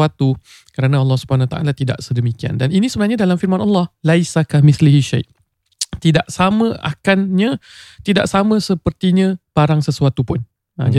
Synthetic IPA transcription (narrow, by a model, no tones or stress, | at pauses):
at̪u | kəɾanãɑlːɑhsubəhanwat̪aʔa̰lat̪ida̰ʔsədəmikia̰ndaninisəbənãɦɲadalamfirmanɑlːɑhlajsakamiθliɦiʃa̰jʔ | t̪idaʔsamə̃ʔa̰kanɲãt̪ida̰ʔsamə̃səpərt̪iɲãb̥aɾaŋsəsuat̪upʊn | a̰d͡ʒa